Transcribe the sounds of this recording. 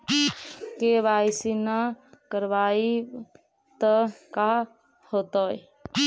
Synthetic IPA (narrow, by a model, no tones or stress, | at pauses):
keβajsinəkəɾbai | t̪əka | hot̪ɔj